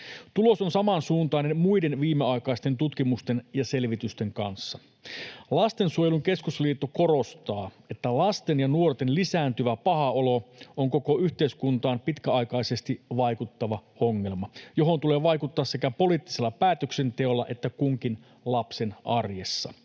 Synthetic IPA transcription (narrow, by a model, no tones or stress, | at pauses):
t̪ulo̞sonsɑmɑnsuːnt̪ɑinemmuide̞nʋiːmeɑjkɑist̪e̞nt̪ut̪kimust̪e̞njɑse̞lʋit̪yst̪e̞ŋkɑ̰nsːɑ | lɑst̪e̞nsuojeluŋke̞skusliːt̪ːoko̞ɾo̞st̪ɑː | e̞t̪ːælɑst̪e̞njɑnuort̪enlisæːnt̪yʋæpɑhɑolo̞ʔoŋko̞ko̞yçt̪eiskunt̪ɑːmpit̪kæɑjkɑise̞st̪iʋɑjkut̪ːɑʋɑ | oŋːe̞lmɑjo̞ɦo̞nt̪ule̞ːʋɑjkut̪ːɑːsse̞kæpo̞liːt̪ːi̥selːɑpæːt̪økse̞nt̪e̞o̞lːɑʔe̞t̪ːækuŋkin | lɑpsenɑrjesːɑ